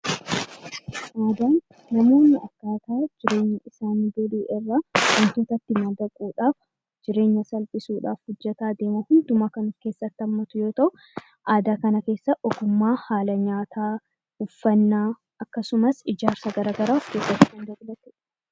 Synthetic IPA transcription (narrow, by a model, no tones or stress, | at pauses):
ʔaːd̪aːnː | ɐmo̞ːnːɪɐkːaːt̪aːd͡ʒɪɾe̞ːɲːɐɪsaːniːɡɔliːʔɪrːawɐnt̪oːt̪ɐt̪ːɪmɐd̪ɐkʼuːᶑaːf | d͡ʒɪɾe̞ːɲːɐsɐlpʼɪsuːᶑa̰ːfhʊd͡ʒːɐt̪aːd̪e̞ːmɐhʊnd̪ʊmaːkɐnʊfke̞ːsːɐt̪ːɪɐmːɐt̪ʊjo̞ːt̪ɐʔʊ | ʔaːd̪aːkɐnɐke̞ːsːɐʔɔɡʊmːaːhaːlɐɲaːt̪ʰaː | ʊfːɐnːaː | ʔɐkːɐsʊmɐsɪd͡ʒaːɾsɐɡɐɾaːɡɐɾaːfke̞ːsːɐt̪ːɪkɐnd̪ɐbɪlɐt̪ɛ